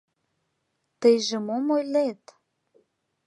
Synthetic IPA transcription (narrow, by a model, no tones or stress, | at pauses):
t̪əjʒĕmomojlet̪